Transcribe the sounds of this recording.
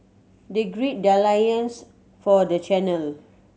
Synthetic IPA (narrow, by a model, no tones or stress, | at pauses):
deɡɹit̚dalajə̃ns | fɔdət͡ʃɛnəl